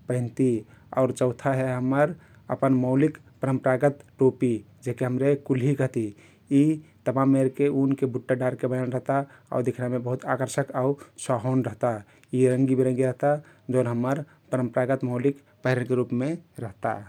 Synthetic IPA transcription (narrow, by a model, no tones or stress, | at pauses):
pə̃ɦɪ̃nt̪ia̰ːɾt͡ʃəʊt̪ʰaɦɛɦəməɾ | ə̰pənməʊlik | pəɾəmpɾaɡət̪ʈopi | d͡ʒekeɦəmɾekulɦikəɦt̪i | i | t̪əmamːeɾkeunkebuʈːaɖaɾkebəjanɾəɦt̪a | a̰d̪ekʰɾamebəɦut̪akəɾʃəkausaɦonɾəɦt̪a | iɾəŋɡibeɾə̃ŋɡiɾəɦt̪a | d͡ʒoʊnɦəmːəɾ | pəɾəmpɾaɡət̪məʊlik | pəɦiɾənkeɾupmeɾəɦt̪a̰